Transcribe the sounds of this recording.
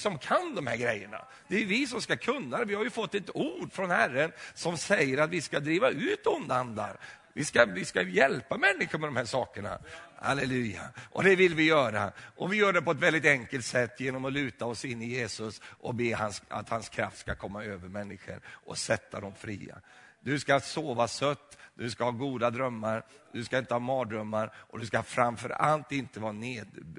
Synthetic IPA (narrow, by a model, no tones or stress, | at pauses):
sɔmkʰand̪ɔmhæɾɡɾɛjːəɳa̰ | d̪̥ɛæjɵvɪs̬ɔmskakʰɵnːad̪ɛvɪhaɾjɵfɔt̪ːɛt̪uːɖfɾɔnhærːənsɔmsɛjːəɾat̪vɪskad̪ɾiːvaʉ̟ːt̪ʊnd̪and̪a̰ɾvɪskavɪskajɛlpamɛnːɪɧəmɛd̪ɔmhæːʂɑːkəɳa̰ha̰lɛlʉ̟ːja̰ʔɔ̰d̪ɛvɪlvɪjœːɾa̰ʔɔvɪjœːɖɛpɔɛt̪vɛld̪ɪt̪ɛŋkəlt̪sɛt̪ːjeːnɔmɔlʉ̟ːt̪aɔsɪnːɪjeːsɵsʔɔ̰beːhansa̰t̪hanskʰɾa̰ft̪skakʰɔmːaøːvəɾmɛnːɪɧə̰ɾʔɔ̰sɛt̪ʰːad̪ɔmfɾiːa̰d̪ɵskasoːvasœt̪ːd̪ɵskahɑːɡuːd̪ad̪ɾœmːaɾd̪̥ɵskaɪnt̪əhɑːmɑːd̪ɾœmːaɾʔɔd̪ɵskahfɾamfœɾa̰lt̪ɪnt̪əvɑːneːd̪